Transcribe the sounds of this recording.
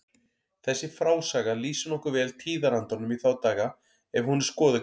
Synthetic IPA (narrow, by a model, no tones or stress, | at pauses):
θɛsːɪfɾaːwsaːɣaliːsʏnɔhkʏɾvɛːlt̪ʰiːðaɾant̪ɔnʏmiθawt̪aːɣa | ɛv̥hunɪɾ̥skɔːðɪ